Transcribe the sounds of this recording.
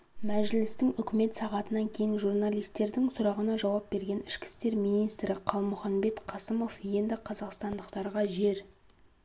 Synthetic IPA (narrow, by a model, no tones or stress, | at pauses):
mæʒɪlɪst̪ɪŋʏkʲɪme̞t̪sɑʁɑt̪ənɑŋkʲʰe̞jɪnʒurnɑlˠijst̪ːe̞ɾd̪ɪŋsʊɾɑʁənɑʒɑwɑp̚be̞ɾɡʲe̞nɪʃkʲɪ̥st̪e̞ɾmijnijst̪ɾɪqʰɑlˠmʊχɑnbe̞t̪qʰɑsəmo̞fje̞nd̪ɪqʰɑzɑqst̪ɑnd̪əqt̪ɑɾʁɑʒe̞ɾ